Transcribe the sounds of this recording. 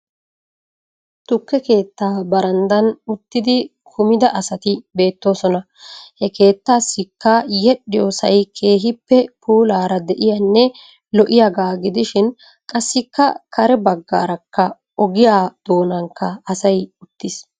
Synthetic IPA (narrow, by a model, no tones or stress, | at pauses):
t̪ʊkːɛke̞ːt̪ːaːbɐɾɐnd̪ɐnʊt̪ːɪd̪ɪkʰʊmɪd̪ɐʔɐsɐt̪ɪbe̞ːt̪ːo̞ːsɔnɐ | hɛke̞ːt̪ːaːsːɪkːaːjɛɗːɪjoːsɐjkʰe̞ːɦɪpːɛpuːlaːɾɐd̪ɛʔɪjɐnːɛ | lɔʔɪjaɡaːɡɪd̪ɪʃɪn | kʼɐsːɪkːɐkʰɐɾɛbɐɡːa̰ːɾɐkːɐ | ɔɡɪjaːd̪̥o̞ːnɐŋkːɐɐsɐjʊt̪ːɪs